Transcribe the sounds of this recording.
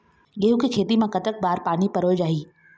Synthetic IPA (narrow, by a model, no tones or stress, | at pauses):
jɐɦũkekʰeːt̪imãkɐt̪ək̚baːɾpaːnipɐɾoːjd͡ʒaːɦiː